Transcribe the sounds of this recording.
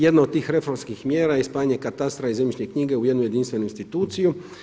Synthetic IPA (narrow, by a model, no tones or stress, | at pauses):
jɛd̪nɔɔt̪ːixɾɛfɔɾmskʲixmʲjɛɾajɛspaɲɛkat̪ast̪ɾaizɛmʲiʃɲʲɛjkɲiɡɛujɛd̪nujɛd̪inst̪fʲɛnuinst̪it̪ut̪sʲju